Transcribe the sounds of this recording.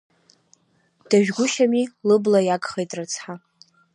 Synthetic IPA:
d̥aʒᶣɡʷʊʃamilɨblajaɡʼχejtʼrɨt͡sʰħa

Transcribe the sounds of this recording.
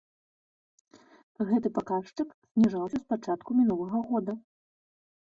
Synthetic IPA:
ɣɛt̪ɨpakaʂt͡ʂɨksʲnʲiʐawsʲɐspat͡ʂat̪kumʲinulˠɐɣɐɣɔd̪ɐ

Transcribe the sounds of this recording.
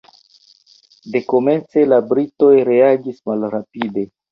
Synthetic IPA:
de̞ko̞me̞nt͡se̞labɾito̞jɾe̞aɡismalɾapide̞

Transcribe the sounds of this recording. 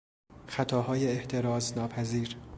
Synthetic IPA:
xæt̪ʰɒːɦɒːjeːht̪ʰe̞ɾɒːznɒːpʰæziːɾ

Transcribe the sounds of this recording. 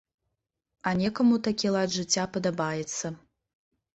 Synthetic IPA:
anʲɛkɐmut̪akʲilˠad̪ʐɨt͡sʲːapɐd̪ɐbajɛt̪sɐ

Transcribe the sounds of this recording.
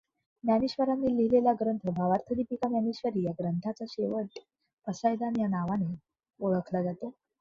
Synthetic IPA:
mjaniɕʋəɾamːiliɦilelaɡɾənt̪ʰəbʱaʋaɾt̪ʰəɾiːpikamjaniɕʋəɾiːjaɡɾənt̪ʰat͡saɕeʋəʈ̚ | pəsajd̪anjanaʋane | oɭəkʰlad͡zat̪o

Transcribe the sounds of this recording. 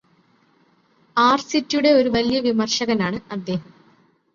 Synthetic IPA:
aːrsitːjuɽe̞o̞ɾuʋɐlijɐʋimɐrʂɐɣɐnaːɳɨɐd̪ːe̞ːɦɐm

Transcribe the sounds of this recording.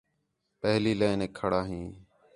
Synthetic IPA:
pəɦliːləːɪneːkʰəɽaːɦĩː

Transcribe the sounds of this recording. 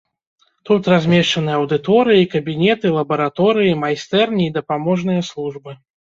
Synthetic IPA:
t̪ut̪razʲmʲɛʂt͡ʂɐnɨjɐwd̪ɨt̪ɔɾɨjikɐbʲinʲɛt̪ɨlˠɐbɐɾat̪ɔɾɨjimajst̪ɛrnʲiːd̪ɐpamɔʐn̪ɨjɐslˠuʐbɨ

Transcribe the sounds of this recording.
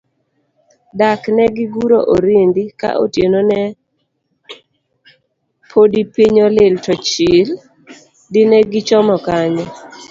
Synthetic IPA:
daknɛɡɪɡuɾoʔoɾindika̰ʔo̰tjenonɛ | pʰodipiɲɔlɪltɔt͡ʃil | dɪnɛɡɪt͡ʃɔmɔkaɲɔ

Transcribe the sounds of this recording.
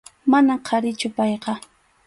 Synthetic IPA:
manamqʰɑɾɪt͡ʃʊpɑjqɑ

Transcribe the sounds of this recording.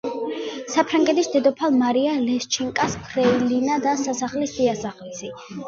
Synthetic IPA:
sapʰɾaŋɡɛt̪ʰisd̪ɛd̪ɔpʰalˠmaɾialɛst͡ʃʰiŋkʼaspʰɾɛilinad̪asasaχlisd̪iasaχlisi

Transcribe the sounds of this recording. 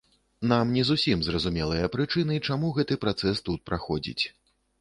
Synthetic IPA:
n̪amnʲɛzusʲimzrɐzumʲɛlˠɨjɐpɾɨt͡ʂɨnɨit͡ʂamuɣɛt̪ɨpɾat̪sɛst̪ut̪̚pɾaxɔd͡zʲḭt͡sʲ

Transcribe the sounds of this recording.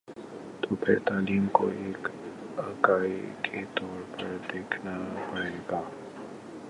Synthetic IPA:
t̪oːpʰɪ̰ɾt̪aːliːmko̰eːkaːkaːikʰet̪ɔːɾpɐɾd̪eːkʰnapaːeːɡaː

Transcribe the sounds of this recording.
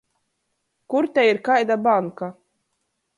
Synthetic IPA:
kuɾt̪ʲɛiɾkajd̪abaŋka

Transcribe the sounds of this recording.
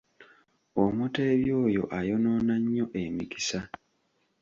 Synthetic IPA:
omute̞ːβjo̞ːjo̞̰ʔajo̞no̞ːnaɲːo̞ʔe̞miki̥sa

